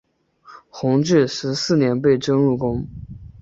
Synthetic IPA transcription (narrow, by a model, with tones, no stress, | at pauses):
xʊ˧˥ŋʈ͡ʂɻ̩˥˩ʂɻ̩˧˥sɹ̩˥˩njɛ˧˥npe˥˩ɪʈ͡ʂɤ˥ŋɻu˥˩kʊ˥ŋ